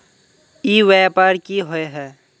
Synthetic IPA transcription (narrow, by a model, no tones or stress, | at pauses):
iwɛːpaːɾkiɦoeɦɛː